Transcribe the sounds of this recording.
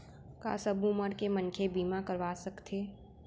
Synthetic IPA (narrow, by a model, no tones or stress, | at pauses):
ka̰səbuməɾkemənkʰebiːmakəɾʋaːsɐkt̪ʰeː